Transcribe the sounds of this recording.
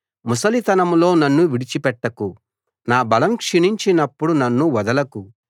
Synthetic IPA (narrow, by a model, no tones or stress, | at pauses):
musɐlit̪ɐnɐmlo̞ːnɐnːuʋiɽit͡ʃipɛʈːɐku | naːbɐlɐmkʂiɳiɲt͡ʃinɐpːuɽunɐnːuʋɐd̪ɐlɐku